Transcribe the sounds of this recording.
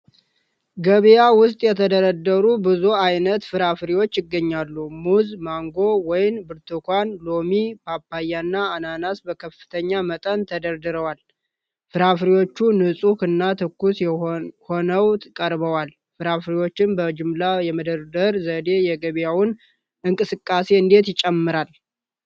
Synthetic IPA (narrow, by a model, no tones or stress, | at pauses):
ɡəβejawʊst̪ʼjɛt̪ʰəd̪əɾəd̪ːəɾubɨzuajnət̪fɨɾafɾiwo̞t͡ʃːjɪɡːəɲːalːumuzmaŋɡo̞wɔjɪnbɨɾt̪ʰɨkʰʷanlomipʰapːajanːaːnanasbəkʰəfːɨ̥t̪ʰəɲːamət̪ʼənt̪ʰəd̪əɾd̪ɨɾəwal | fɨɾafɾiwo̞t͡ʃːunɨsʼukɨnːat̪ʰɨkːusho̞nəwt̪ʰɨkʼəɾbəwal | fɨɾafɾiwo̞t͡ʃːɪnbəd͡ʒɪmlajɛməd̪əɾd̪əɾzəd̪e̞jɛɡəβjawʊn | ɨŋkʼɨsɨkʼːase̞ɨnd̪e̞t̪jɪt͡ʃʼːɛmːɨɾal